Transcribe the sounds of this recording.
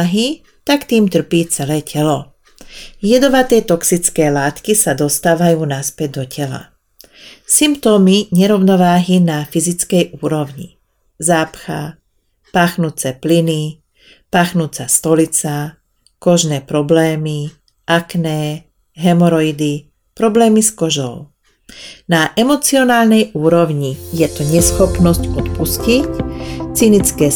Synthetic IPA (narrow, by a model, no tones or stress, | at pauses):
ɦi | t̪akt̪iːmt̪r̩piːt͡sɛlɛːcʰɛlɔ | jɛd̪ɔʋat̪ɛːt̪ɔksit͡skɛːlaːt̪kisad̪ɔst̪aːʋajuːnaspɛɟ̚d̪ɔcʰɛla̰ | simpt̪ɔːmiɲɛɾɔʊnɔʋaːɦinafizit͡skɛjʔuːɾɔʋɲḭ | zaːpxa | paːxnuːt͡sɛːplini | paːxnuːt͡sast̪ɔlit͡sa | kɔʒnɛːpɾɔblɛːmi | ʔaknɛː | ɦɛmɔɾɔid̪i | pɾɔblɛːmiskɔʒɔ̰ʊ | naʔɛmɔt͡siɔnaːlnɛjuːɾɔʋɲijɛt̪ɔɲɛsxɔpnɔscɔt̪puscict͡sinit͡skɛː